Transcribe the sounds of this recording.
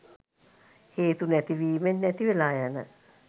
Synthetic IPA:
het̪unɛt̪iʋiːmenːɛt̪iʋelajana̰

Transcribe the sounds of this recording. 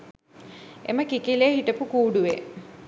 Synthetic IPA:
ḛməkikileɦiʈəpukuːɖuʋe

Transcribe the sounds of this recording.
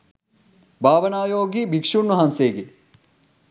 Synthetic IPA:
bʱaːʋɐnaːjoːɡibʱikʂuɳːuɦanseːɡi

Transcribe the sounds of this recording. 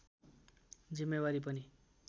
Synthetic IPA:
d͡zimːebaɾip̬ʌni

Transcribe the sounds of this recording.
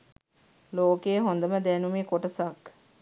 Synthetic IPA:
loːkeːɦond̪əməd̪ænumeːkoʈəsak

